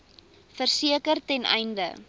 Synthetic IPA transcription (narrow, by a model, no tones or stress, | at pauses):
fərsiəkərtɛnɛ̰jndə̰